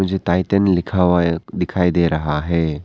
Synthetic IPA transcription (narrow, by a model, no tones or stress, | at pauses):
ʊ̃d͡ʒʱet̪aːɪt̪ənlɪkʰad̪ɪkʰaːid̪eːɾɐɦaɦɛː